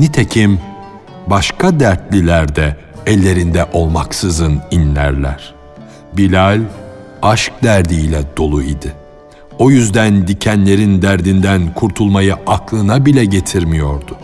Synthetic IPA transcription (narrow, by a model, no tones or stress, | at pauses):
nit̪ʰecʰim | baʃkʰad̪æɾt̪lʲilʲæɾd̪ɛ | ɛlʲːe̞ɾind̪ɛʔo̞lˠmaksɯzɯninlʲæ̰ɾlʲæɾ̥ | bilʲalʲ | aʃk̚d̪æɾd̪iːlʲɛd̪o̞lˠuid̪ɪ | o̞jyzd̪ænd̪icʰænlʲe̞ɾind̪æɾd̪ind̪ænkʰuɾt̪ʰulˠmajɯʔaklˠɯnabilʲɛɟe̞t̪ʰiɾmijo̞ɾd̪ʊ